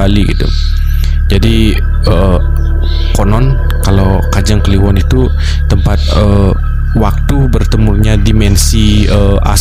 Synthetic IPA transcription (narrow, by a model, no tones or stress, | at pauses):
aliɡḭt̪ṵ | d͡ʒadi | ə | konɔn | kalaw | kad͡ʒaŋkəliwɔnit̪u | t̪əmpat̪̚ə | wak̚t̪ubərt̪əmurɲadimɛnsi | ə | a̰